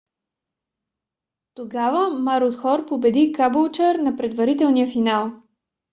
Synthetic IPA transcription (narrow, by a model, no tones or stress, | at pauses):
t̪oɡavəmaɾot̪xɔɾpobɛd̪ikabolˠt͡ʃəɾnɐpɾɛd̪vɐɾit̪ɛlˠnijəfinalˠ